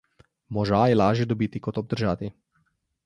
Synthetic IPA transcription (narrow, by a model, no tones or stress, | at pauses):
mɔʒajɛlaːʒjɛd̪ɔbiːt̪ikɔt̪ɔb̚d̪əɾʒaːt̪i